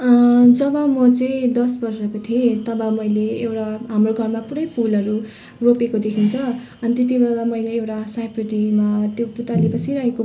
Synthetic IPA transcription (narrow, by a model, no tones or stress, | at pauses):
d͡zʌbʌmʌt͡sʌĩd̪ʌsbʌrsʌkot̪ʰiet̪ʌbʌmʌjleewʈaɦamroɡʱʌrmapuɽʌjpʰulʌɾu | ropekod̪ekʰint͡sʰʌ | ʌnit̪et̪ibelamʌjleːwʈasajbriʈimat̪joput̪alepʌt͡sʰiɾʌɦeko